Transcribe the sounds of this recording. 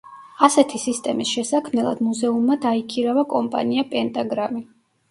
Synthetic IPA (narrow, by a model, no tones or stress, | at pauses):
asɛt̪ʰisist̪ʼɛmisʃɛsakʰmɛlˠa̰d̪muzɛumːad̪aikʰiɾavakʼɔmpʼa̰niapʼɛnt̪ʼaɡɾami